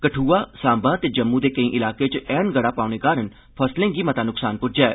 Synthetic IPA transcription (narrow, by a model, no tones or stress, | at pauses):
kəʈʰuːaːsãːmbaːt̪eːd͡ʒəmːũːd̪eːkəĩːʔɪlaːkeːt͡ʃɛːnɡəɽaːpaːɽ̃eːkaːɾən | pʰəslẽːɡiːmət̪ãːnʊksaːnpʊʈ̚d͡ʒɛː